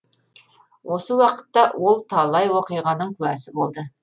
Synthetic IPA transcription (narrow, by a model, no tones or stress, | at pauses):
wʔo̞səwɑqə̥t̪ːɑwʔo̞lˠt̪ʰɑlˠɑjwoqijʁɑnəɴkʲʰʉæsɪbo̞lˠd̪ə